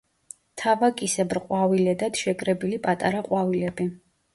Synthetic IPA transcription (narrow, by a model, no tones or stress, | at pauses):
t̪ʰavakʼisɛbɾqʼwavilɛd̪ad̪̥ʃɛkʼɾɛbilipʼat̪ʼaɾaqʼwavilɛbi